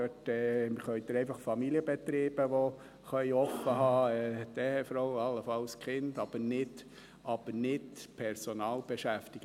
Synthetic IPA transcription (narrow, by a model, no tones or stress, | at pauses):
øtɛmɪχœʏd̪əɾɛɪfɑχfɑmiliəbɛt̪ɾeːb̥əʋɔ | χœʏɔfəɦɑːɛd̥̪ɛhɛfɾɔwɑlːəfɑlskχɪnd̪ɑb̥ənɪd̥ | ʔɑb̥əɾnɪdpʰɛɾsɔnɑːlb̥ɛʃæft̪iɡə